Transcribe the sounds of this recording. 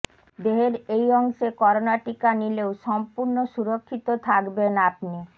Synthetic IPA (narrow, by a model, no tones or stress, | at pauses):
d̪eɦeɾejɔŋʃekɔɾonaʈikanileoʃɔmpuɾnoʃuɾokʰːit̪ot̪ʰakbenapni